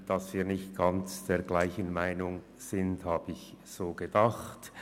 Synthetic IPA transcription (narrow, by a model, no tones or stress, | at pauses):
d̥ɑsv̥iːɐnɪçt̚ɡ̥ɑnt͡sd̥eːɐɡlaɪçənmaɪnʊŋ | z̥ɪnthaːbəɪçz̥oːɡ̥ədɑχt